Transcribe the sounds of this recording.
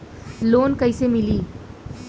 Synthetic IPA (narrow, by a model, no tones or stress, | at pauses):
loːnkəisemɪliː